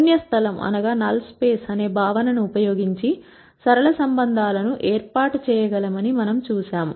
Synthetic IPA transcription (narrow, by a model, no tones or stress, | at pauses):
njɐst̪ʰɐlɐmʔɐ̰nɐɡaːnɐlspeːsɐne̞ːbʱaːʋɐnɐnuupɐjoːɡiɲt͡ʃi | sɐɾɐɭɐsɐmbɐnd̪ʱaːlɐnuʔeːɾpaːʈt͡ʃɛːjɐɡɐlɐmɐnimɐnɐmt͡ʃuːʃaːmu